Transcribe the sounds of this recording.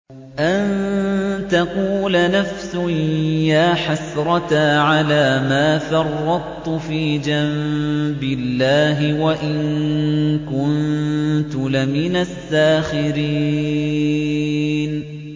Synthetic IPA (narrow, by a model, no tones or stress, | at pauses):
ʔan | t̪ɑquːlanafsʊjaːħasɾˤɑt̪aʕalaːmaːfɑrˤːɑd̪̚ˤt̪ʊfiːd͡ʒambɪlːaːɦɪwaʔɪŋ | kʊnt̪ʊlɪmɪnasːaːxɪɾiː | n